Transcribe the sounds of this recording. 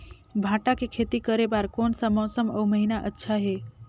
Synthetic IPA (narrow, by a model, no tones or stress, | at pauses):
bʱãʈakekʰet̪ikəɾebaɾkonsə̃mɔsəmə̰wməɦinaʔə̰tːʃʰaɦe